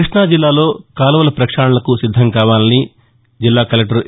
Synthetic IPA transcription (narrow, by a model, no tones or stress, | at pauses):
ɾiʂɳaːd͡ʒilːaːlo̞ːkaːlɐʋɐlɐpɾɐkʂaːɳɐlɐkusid̪ʱːɐŋkaːʋaːnɐni | d͡ʒilːaːkɐlɐk̚ʈɐɾu